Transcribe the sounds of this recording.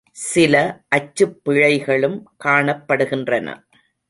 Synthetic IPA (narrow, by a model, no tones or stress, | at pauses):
sɪlɐʔɐt͡ʃːɯpːɪɻɐɪɣɐɭɯmkaːɳɐpːɐɽɯɣɪndrɐnɐ̰